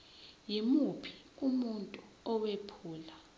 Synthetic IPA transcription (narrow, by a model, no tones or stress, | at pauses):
jimupʰi̥ | umuntʼu | ɔwepʰuːla